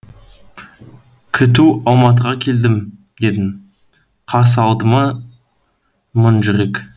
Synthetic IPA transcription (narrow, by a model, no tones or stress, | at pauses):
kʲʰɪt̪̬uɑlˠmɑt̪̬əʁɑkʲʰe̞ld̪ɪm | d̪e̞d̪ɪŋ | qʰɑs̬ɑlˠd̪əmɑ | mənʒʏɾe̞kʲ